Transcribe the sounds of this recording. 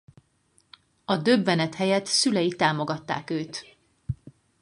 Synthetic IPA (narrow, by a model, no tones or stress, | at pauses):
ɒd̪øbːɛnɛt̪hɛjɛt̪sylɛjit̪aːmo̞ɡɒt̪ːa̰ːkøːt̪